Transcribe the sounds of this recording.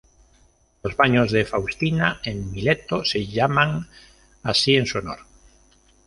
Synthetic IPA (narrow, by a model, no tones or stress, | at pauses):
ozβaɲozðefawst̪inaeŋmilet̪oseʎamãŋ | asieŋsono̰ɾ